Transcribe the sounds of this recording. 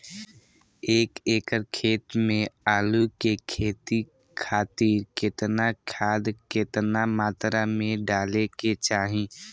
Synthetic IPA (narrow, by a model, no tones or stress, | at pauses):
eːkeːkəɾkʰeːt̪mẽaːlukekʰeːt̪i | kʰaːt̪iːɾkɪt̪nakʰaːd̪kɪt̪namaːt̪ɾamẽɖaːleket͡ʃaːɦĩ